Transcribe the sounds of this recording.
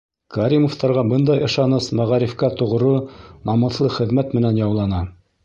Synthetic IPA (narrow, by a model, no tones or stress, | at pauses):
kaɾʲimoft̪ɑɾʁɑbɤnd̪ɑjɤ̆ʃɑnɤsmæʁɑɾifkæt̪ŏʁɾonɑmɤ̆θlˠɤχɘ̆ðmæt̪mɘ̆nænjɑwlˠɑnɑ